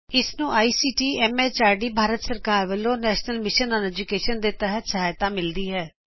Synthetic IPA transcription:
ɪsnũːʔaːiːsiːʈiːɛːmɛːt͡ʃaːɾɖiːbʱaːɾət̪səɾkaːɾʋəlõːnɛːʃnəlmɪʃənɔ̃ːnɛːd͡ʒukeːʃənd̪eːt̪ɛɦət̪səɦaːjt̪ãːmɪld̪iːɦɛː

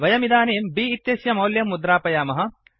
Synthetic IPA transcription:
ʋɐjɐmid̪aːneːmbiːt̪jɐsjɐmɐwljɐmːud̪ɾaːpɐjaːmɐɦɐ̆

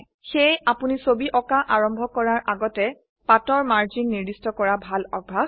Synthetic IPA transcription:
xejapunisobiʔɔkaʔaɹɔmbʱɔkɔɹaɹʔaɡɔtɛ | patɔɹmaɹd͡ʒinːiɹdistɔkɔɹabʱalɔɡ̚bʱa

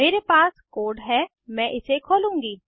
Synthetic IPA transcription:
meːɾepaːskoːɖɦɛ | mɛ̃ːʔɪsekʰoːlũːŋɡiː

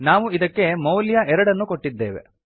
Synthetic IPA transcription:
naːʋuid̪ɐkːe̞mɐwljaɛɾɐɽɐnːuko̞ʈːid̪ːeːʋe̞̰

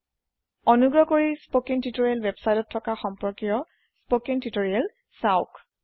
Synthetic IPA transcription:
ɔnuɡɹɔkoɹispokintitoɹiɛlwebsajtɔtʰːɔkaxɔmpɔɹkijɔ | spokintitoɹiɛl | saʊk

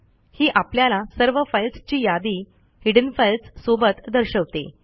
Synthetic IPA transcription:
hiːʔapljalasəɾʋəfəjlt͡st͡ɕiːjad̪iː | hiɽənfəlt͡ssobət̪d̪əɾɕəʋt̪ḛ

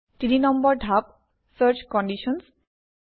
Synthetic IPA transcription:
tininɔmbɔɹɖʱap̚ | səɾt͡ʃkɔnɖiʃɔns

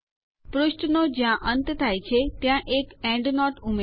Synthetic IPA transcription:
pɾʊʃʈnod͡ʒjãʔənt̪t̪ʰajt͡ʃʰet̪jãʔekɛ̃ɳɖnɔʈume

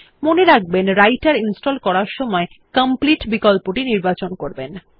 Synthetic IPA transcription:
moneɾaɡ̚benɾajʈaɾinsʈolkɔɾaɾʃɔmɔe | kəmpliʈbikolpoʈiniɾbat͡ɕonkoɾben

